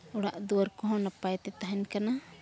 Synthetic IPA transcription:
ɔɽaʔd̪uwaɾkɔɦɔ̃napajt̪ɛt̪aɦɛnkana

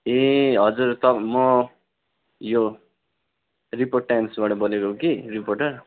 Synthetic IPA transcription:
ẽɦʌd͡zurt̪ʌmʌ | jo | riporʈ̚ːajmsbaʈʌbʌlekokiriporʈʌr

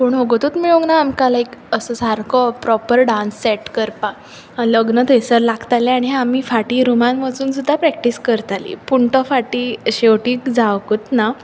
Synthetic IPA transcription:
poɳoɡot̪ut̪miɭũŋɡnaːmkalaekəsəsaɾkɔpɾɔpəɾɖãnsːɛʈkəɾpa | ləɡnət̪esəɾlaɡt̪alẽaɽ̃iɦam̤iːfaʈiːɾumanʋəsuːnsud̪ʱːapɾɛk̚ʈiskəɾt̪alḭpuɳʈɔfaʈiɕewʈĩkd͡zaʋkut̪na

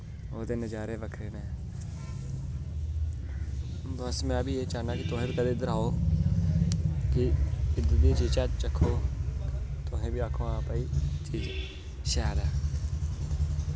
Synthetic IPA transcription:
oːt̪eːnəd͡ʒaːɾeːʋəkʰɾeːneː | bəsmɛ̃ːbʱiːeːt͡ʃaːnãːkɪt̪ʊɦẽːbikəd̪eːd̪əɾaːoː | kɪɪd̪əd̪it͡ʃiːd͡ʒt͡ʃaːt͡ʃt͡ʃəkʰːoː | t̪ʊɦẽːbiaːkʰõːãːpaːiːt͡ʃiːd͡ʒ | ʃɛːd̪ɛː

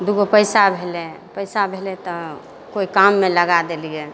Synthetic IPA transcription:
d̪uɡopəjsabʱelɛ | pəɪsabʱelɛt̪ɔ | koikamːeləɡad̪elije

